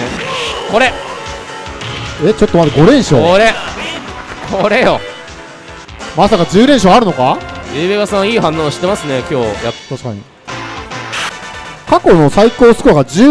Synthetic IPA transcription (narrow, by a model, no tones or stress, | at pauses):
ko̞ɾe | et͡ɕo̞t̪ːo̞mad̪aɡo̞ɾẽ̞ɰ̃ɕooɾe | kʰoɾe̞jo | masakad͡ʑɨːɾeɰ̃ɕ̬o̞aɾɯ̟no̞kajɯːbeɡasãɰ̃iːhãnːõːɕi̥t̪e̞masɨne̞kʲo̞ːjat̪aɕi̥ka̰ɲ̟i | kako̞no̞saiko̞ːsɨ̥kɯaɡad͡ʑɨ